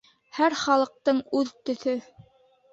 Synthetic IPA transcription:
hæɾχɑlˠɤ̆q̚t̪ɤɴʉðt̪ɵ̆θɵ

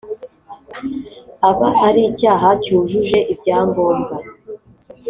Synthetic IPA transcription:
aβahaɾiːcaːɦacuːʒuʒe̞ʔibɟaːmboːŋɡa

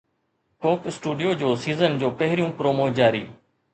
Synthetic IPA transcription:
koːksʈuːɖijoːd͡ʑoːsiːzənd͡ʑoːpəɦɪɾɪjũːpɾoːmoːd͡ʑaːɾḭː

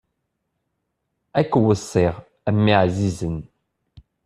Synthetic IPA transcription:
ækːwəsˤːiʁ | æmːiʕzizən

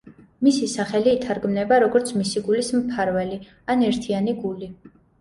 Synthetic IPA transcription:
misisaχɛliːt̪ʰaɾɡmnɛbaɾɔɡɔɾt̪sʰmisiɡulismp̪ʰaɾvɛli | anɛɾt̪ʰianiɡuli

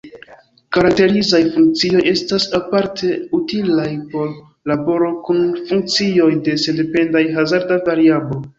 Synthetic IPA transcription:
kaɾak̚te̞ɾizajfuŋk̚t͡sio̞je̞stasapaɾtʰe̞utilajpo̞ɾ | labo̞ɾo̞kunfuŋk̚t͡sio̞jde̞sende̞pe̞ndajɦazaɾdavaɾiabo̞

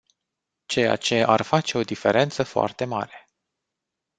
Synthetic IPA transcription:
t͡ʃe̞ja̰t͡ʃe̞ʔarfat͡ʃe̞o̞d̪ife̞ɾʔe̞nt̪səfoa̰rt̪e̞ma̰ɾe̞

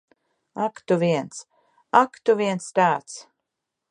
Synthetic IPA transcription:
akt̪uvʲiɛns | akt̪uviɛnst̪aːt̪s

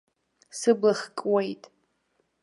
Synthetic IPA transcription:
sɨblaχkʼwejtʼ

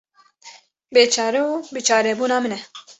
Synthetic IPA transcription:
beːt͡ʃʰɑːɾɛubɨt͡ʃʰaːɾɛbuːnaːmɨnɛ

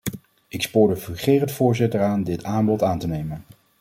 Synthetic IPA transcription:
ɪkspʊːɹdəvəχeːrəntfʊːɹzɪtəɹaːndɪtaːnbɔtaːntənejmən

